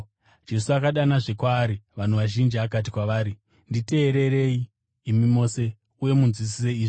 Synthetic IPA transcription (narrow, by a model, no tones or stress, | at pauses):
d͡ʒe̞suakaɗanaʐekwaːɾiʋan̤uʋaʒind͡ʒiakat̬ikwaʋaːɾi | ndite̞ːɾe̞ɾe̞iː | mimo̞ːse̞ | uje̞munzwis̬ise̞iːʐi